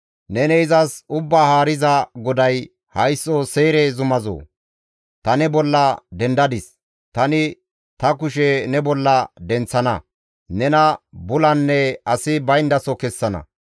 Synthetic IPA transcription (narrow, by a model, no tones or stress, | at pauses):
nɛnɛɪzɐsʊbːaːhaːɾɪzɐɡɔd̪ɐj | hɐjsːoseːɾɛzʊmɐzo̰ː | t̪ɐnɛbɔlːɐd̪ɛnd̪ɐd̪ɪs | t̪ɐnɪ | t̪ɐkʊʃɛnɛbɔlːɐd̪ɛnt͡sːɐnɐ̰ | nɛnɐbʊlɐnːɛɐsɪbɐjnd̪ɐsɔkɛsːɐnɐ̰